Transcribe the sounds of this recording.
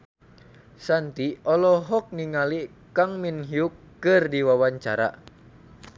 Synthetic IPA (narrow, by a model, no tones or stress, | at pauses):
sant̪iɔlɔɦɔk̚niŋali | kaŋminɦiukːɨrdiwawaɲt͡ʃaɾa̰